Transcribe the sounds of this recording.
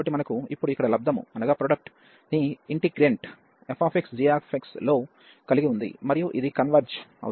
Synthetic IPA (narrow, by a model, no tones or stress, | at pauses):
bɐʈːimɐnɐkuipːuɽuikːɐɽɐlɐb̚d̪ɐmṵmɐnɐɡaːpɾoɖɐk̚ʈ | d̪iiɳʈiɡɾeɳʈ | epʰaːpʰeksd͡ʒiaːpʰekslo̞ː | kɐliɡiund̪ḭmɐɾijuʔid̪ikɐnʋɐɾd͡ʒɐ̰